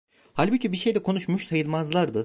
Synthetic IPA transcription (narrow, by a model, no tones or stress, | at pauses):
halʲbucʰibiʃe̞jlʲɛkʰo̞nuʃmuʃsajɯlˠmazlˠaɾd̪ɯ